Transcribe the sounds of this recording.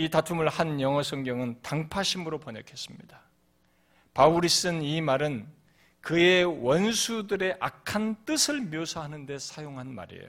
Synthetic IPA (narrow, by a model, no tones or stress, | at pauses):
itatʰumɯɭhanjʌŋʌsʰʌŋɡjʌŋɯntaŋpʰaɕʰimɯɾopʌɲʌkʰe̞s͈ɯmɲḭda | pauɾis͈ɯnimaɾɯn | kɯe̞wʌnsʰudɯɾe̞ʔakʰant͈ɯsʰɯɭmjosʰaɦanɯnde̞sʰajoŋɦanma̰ɾḛjo̰